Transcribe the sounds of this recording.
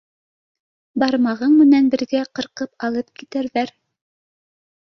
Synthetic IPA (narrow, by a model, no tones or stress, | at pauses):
bɑɾmɑʁɤɴmɘ̆nænbɘ̆ɾɡæqɤ̆ɾqɤpɑlˠɤp̚kit̪æɾðæɾ